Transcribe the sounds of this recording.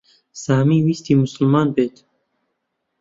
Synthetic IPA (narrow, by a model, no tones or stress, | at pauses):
saːmiːwiːst̪iːmʊsɨlmɑːnbeːt̪